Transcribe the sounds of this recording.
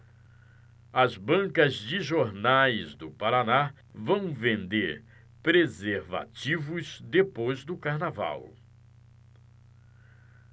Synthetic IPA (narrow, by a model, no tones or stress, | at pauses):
ɐzbɐ̃kɐzd͡ʒɪʒoɾnajzd̪ʊpaɾana | vɐ̃w̃vẽnd̪eɾ | pɾezeɾva̰t͡ʃivʊzd̪epojzd̪ʊkaɾnava̰w